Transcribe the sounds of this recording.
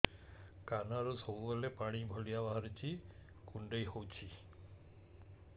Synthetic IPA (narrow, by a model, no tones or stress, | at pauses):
kanaɾusowɔlepaɽ̃ibʱɔlijabaɦaɾit͡ʃʰi | kuɳɖəjɦowt͡ʃʰi